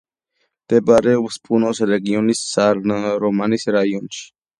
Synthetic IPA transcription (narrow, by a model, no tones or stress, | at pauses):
t̪ebaɾewəspʰunoseɾeɡijonissaɾnəɾomanisɾaːjunt͡ʃ